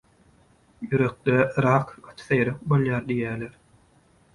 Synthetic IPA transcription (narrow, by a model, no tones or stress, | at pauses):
jyɾø̞k̚d̪eɾɑːqɑt̪ʰɯ̥θɑjɾɑq̚bolˠjɑːɾd̪ijæːleɾ